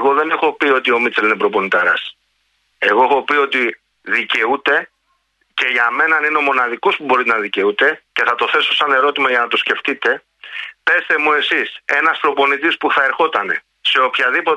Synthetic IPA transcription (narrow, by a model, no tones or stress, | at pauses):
ɣo̞ðe̞ne̞xo̞pio̞t̪io̞mitt͡selinepɾo̞po̞nit̪ɐɾɐ̰s | e̞ɣo̞exo̞pio̞t̪i | ðice̞ut̪e̞ | ce̞ʝɐme̞nɐnineo̞mo̞nɐðikospubo̞ɾit̪enɐðice̞ut̪e̞ce̞θɐt̪oθe̞so̞sɐne̞ɾo̞t̪imɐʝɐnɐt̪o̞sce̞ft̪it̪e̞ | pe̞st̪e̞mue̞sise̞nɐspɾo̞po̞nit̪ispuθɐe̞ɾxo̞t̪ɐne̞̰ | se̞o̞pçɐðipo